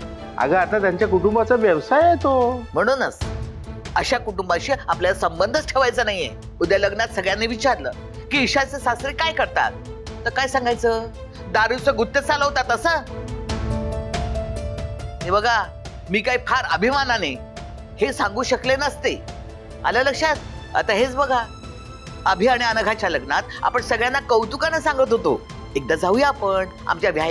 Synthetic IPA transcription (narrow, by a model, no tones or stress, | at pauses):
a̰ɡəat̪at̪jaɲt͡ɕjakuʈumbat͡səʋjəʋsajet̪om̤əɽ̃uːnəs | əɕakuʈumbaɕiːapljalasəmbənd̪ʱət͡sʈʰeʋajt͡sənaɦiḛ | ud̪jaləɡnat̪səɡɭjanːeʋit͡ɕaɾləː | kiːɕat͡sesast̪ɾikajkəɾt̪a̰t̪̚ː | əɾkajsãŋɡajt͡səː | d̪aɾiwt͡səɡut̪ːet͡saləɦot̪at̪əsəː | aɽ̃ibəɡʱa | miːkaipʰaɾəbʱimanane | hesãŋɡuːɕəklenəst̪e | a̰lələkʂat̪ə̰t̪aɦet͡sbəɡʱa | əbʱiaɽ̃iənəɡʱat͡ɕjaləɡnat̪̚a̰pəɳsəɡɭjanːakəwt̪ukanesãŋɡət̪ɦot̪o | ek̚d̪ad͡zaujapəɳ | a̰mt͡ɕjabʱja